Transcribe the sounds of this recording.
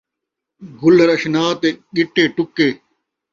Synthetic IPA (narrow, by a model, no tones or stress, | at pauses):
ɡʊlɾɐɕnaːt̪eɠiʈːeːʈʊkeː